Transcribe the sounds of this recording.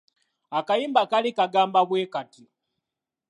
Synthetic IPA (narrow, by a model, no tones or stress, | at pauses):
akajiːmbakalikaɡaːmbaβweːkati